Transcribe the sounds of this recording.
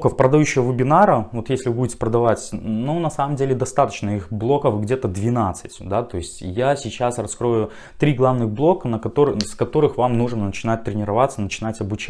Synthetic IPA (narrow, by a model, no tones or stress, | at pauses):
kəfpɾəd̪ɐjuɕːɪvəvɨbʲɪnaɾəvo̞t̪jesʲlʲɪvɨbudʲɪtʲɪ̥pɾəd̪ɐvatʲnunɐsaməmdʲelʲɪd̪ɐst̪at̪ə̥t͡ɕnəixblˠo̞kəfɡdʲe̞t̪əd̪vʲɪnat̪sɨ̥tʲd̪at̪o̞ɪsʲtʲjasʲɪt͡ɕasrɐskɾo̞jʊ | t̪ɾʲiɡlˠavnɨɣblˠo̞kənəkɐt̪oɾskɐt̪o̞ɾɨxvamnuʐnənət͡ɕɪnat̚ʲt̪ɾʲɪnʲɪɾɐvat̪sənət͡ɕɪnatʲɐbʊt͡ɕ